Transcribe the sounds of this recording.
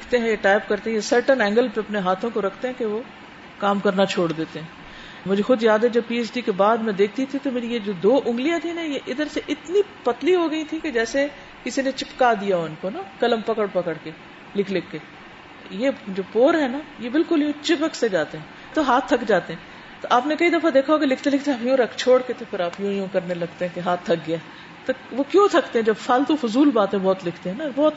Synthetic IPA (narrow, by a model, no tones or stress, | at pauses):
lɪkʰt̪eɦɛ̃jaʈaːɪpkɐɾt̪eɦɛ̃jesɐɾʈənɛ̃ːŋɡəlpeɐpneɦaːt̪ʰõkoɾɐkʰt̪eɦɛ̃keʋo | kaːmkɐɾnat͡ʃʰoːɽd̪eːt̪eɦɛ̃ː | mʊd͡ʒʱexʊd̪jaːd̪ɦɛd͡ʒɐb̚piːɛsɖikebaːd̪mɛ̃d̪eːk̚ʰt̪it̪ʰit̪omeːɾijed͡ʒoːd̪oːʔʊ̃ŋɡlijãt̪ʰinɛjeʔɪd̪əɾseʔɪt̪nipɐt̪liɦoɡɐit̪ʰiked͡ʒɛːse | kɪsinet͡ʃɪpkad̪ijaɦoʊnkonakɐləmpɐkəɽpɐkəɽke | lɪkʰlɪkːe | jed͡ʒoːpoːɾɦɛ̃najebɪlkʊljõt͡ʃɪpəksed͡ʒaːt̪eɦɛ̃ː | t̪oɦaːt̪ʰːɐkd͡ʒaːt̪eɦɛ̃ː | t̪oʔaːpnekɐid̪ɐfad̪eːkʰaokelɪkʰt̪elɪkʰt̪eɦɛpjũɾɐkʰt͡ʃʰoːɽket̪ʰopʰɪɾaːpjũːjõkɐɾnelɐɡt̪eɦɛ̃keɦaːt̪ʰːɐk̚ɡɪja | t̪oʋokjõːt̪ʰɐkt̪eɦɛ̃d͡ʒɐbfaːlt̪ufʊzuːlbaːt̪ẽbɔːt̪lɪkʰt̪eɦɛ̃nabɔːt̪